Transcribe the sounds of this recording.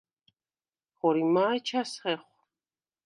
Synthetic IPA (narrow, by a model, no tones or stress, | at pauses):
χɔɾimaːjt͡ʃʰasχɛχʷ